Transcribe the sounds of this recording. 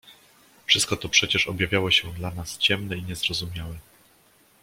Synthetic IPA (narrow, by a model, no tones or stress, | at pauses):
fʂɨst̪̚kɔt̪ɔpʂɛt͡ɕɛʂɔbjavʲjawɔɕɛd̪lanast͡ɕɛmnɛiɲɛzɾɔzumʲjawɛ